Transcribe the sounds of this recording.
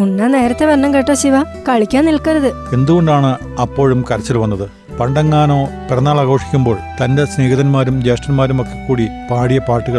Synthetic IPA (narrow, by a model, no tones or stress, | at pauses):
unːɐne̞ːɾɐt̪ːeʋɐɳːɐmkeʈːoːɕiʋa | kɐɻikʲːaːnilkɐɾɐðɨ | e̞nd̪uɣoɳɖaːɳɨ | ɐpːo̞ːɻumkɐɾɐt͡ɕːɐlʋɐnːɐðɨ | pɐɳɖɐŋːaːno̞ːpirɐnːaːɭaːɣo̞ːʂi̥kʲːumbo̞ːɭt̪ɐndesne̞ːɣɐðɐnmaːɾumd͡ʑeːʂʈɐnmaːɾumokːe̞kːuːɽipaːɽijɐpaːrʈːuɣɐɭ